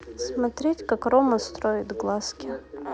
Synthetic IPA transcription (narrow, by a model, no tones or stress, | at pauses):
smɐt̪ɾʲetʲkakroməst̪ɾoɪt̪ɡlˠaskʲɪ